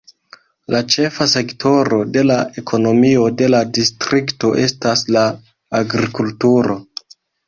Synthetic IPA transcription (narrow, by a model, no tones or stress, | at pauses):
lat͡ʃe̞fase̞kto̞ɾo̞de̞laʔe̞kʰo̞no̞mio̞de̞ladistɾikto̞ʔe̞staslaː | ɡɾikultuɾo̞